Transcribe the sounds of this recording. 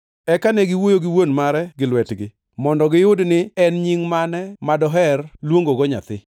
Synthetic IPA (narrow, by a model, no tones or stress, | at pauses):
ɛkanɛɡɪwojoɡɪwonmaɾɛɡɪlwɛtɡɪ | mɔndɔɡɪjʊdnɪɛnɲiŋmanɛmadɔɦɛrlwoŋɡoɡɔɲa̰t̪ɪ